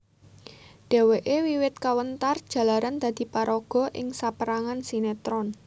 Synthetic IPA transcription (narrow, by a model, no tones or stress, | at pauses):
d̥e̤weʔewiwɪt̪̚kawənt̪ard̥ʒ̥ä̤laɾand̪̥a̤d̪̥i̤paɾɔɡ̥ɔ̤ʔɪ̰ŋsapəɾaŋansinet̪ɾɔn